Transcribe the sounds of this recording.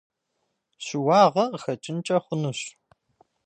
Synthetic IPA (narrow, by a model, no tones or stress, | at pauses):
ɕɪwɑːʁɐxɐt͡ʃʼɪnt͡ʃʼɐχʷʊnuɕ